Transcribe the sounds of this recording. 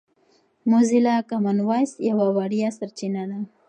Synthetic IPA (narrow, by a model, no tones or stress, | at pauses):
mozilakamanwajsjawawaɽijasaɾt͡ʃinad̪a